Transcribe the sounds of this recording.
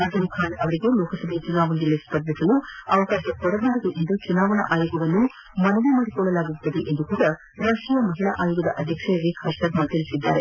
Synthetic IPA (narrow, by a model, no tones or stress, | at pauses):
ad͡ʒɐmukʰaːɳɐʋɐɾiɡelɔːkʰɐsɐbʱet͡ʃunaːʋɐɳɐɐlːespɐɾd̪isɐluɐʋɐkaːʃɐkɔɽɐɡaːɾɐd̪uʔend̪ut͡ʃunaːʋɐɳɐ̰ʔaːjuɡɐʋɐnːu | mɐnɐʋumaːɽikɔɭːɐlaːɡut̪ːɐd̪eʔend̪ukuːɽɐ | ɾaːʂʈɾijɐmɐɦiɭɐʔaːjuːɡɐd̪ɐʔɐd̪ʱjɐkʂɐjɐɾikʰɐsʈɐɾmɐt̪ʰɐɭisid̪ːa̰ːɾe